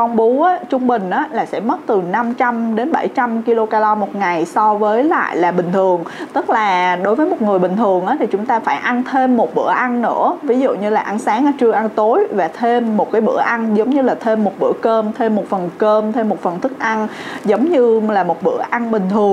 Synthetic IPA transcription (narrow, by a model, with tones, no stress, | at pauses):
kɔ˧ŋ͡mɓu˨˦ʔaː˨˦t͡ɕʊ˧ŋ͡mɓï˨˩ŋ̟ʔaː˨˦laː˨˩sɛ̰˧˥mə˦˥t̚t̪ɨ˨˩na˧mt͡ɕa˧mɗe˨˦nɓa̰˧˩jt͡ɕa˧mki˧lo˧kaː˧la˧mo˨˩t̚ŋa˨˩jsɔ˧vəː˨˦jla̰ː˧˨jlaː˨˩ɓï˨˩ŋ̟t̪ʰɨ˨˩əŋt̪ɨ˦˥k̚laː˨˩ɗo˨˦jvəː˨˦jmo˨˩t̚ŋɨ˨˩əjɓï˨˩ŋ̟t̪ʰɨ˨˩əŋʔaː˨˦t̪ʰi˨˩t͡ɕʊ˨˦ŋ͡mt̪aː˧faː˧˩jʔa˧nt̪ʰe˧mːo˨˩t̚ɓɨ̰˧˩əʔa˧nnɨ̰˧˥əvi˨˦zṵ˧˨ɲɨ˧laː˨˩ʔa˨˧nsaː˨˦ŋʔaː˧˩t͡ɕɨ˧əʔa˧nt̪o˨˦jvaː˨˩t̪ʰe˧mːo˨˩t̚kaː˨˦jɓɨ̰˧˩əʔa˧ŋzə˨˦wŋ͡mɲɨ˧laː˨˩t̪ʰe˧mːo˨˩t̚ɓɨ̰˧˩əkəː˧mt̪ʰe˧mːo˨˩t̚fə˨˩nkəː˧mt̪ʰe˧mːo˨˩t̚fə˨˩nt̪ʰɨ˦˥k̚ʔa˧n | zə˨˦wŋ͡mɲɨ˧laː˨˩mo˨˩t̚ɓɨ̰˧˩əʔa˧nɓï˨˩ŋ̟t̪ʰɨ˨˩əŋ